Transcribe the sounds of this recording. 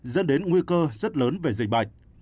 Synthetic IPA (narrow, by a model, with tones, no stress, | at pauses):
zə̰˧˥nɗe˨˦nŋwi˧kəː˧zə˦˥t̚ləː˨˦nve˨˩zï˨˩k̚ɓa˨˩jk̟̚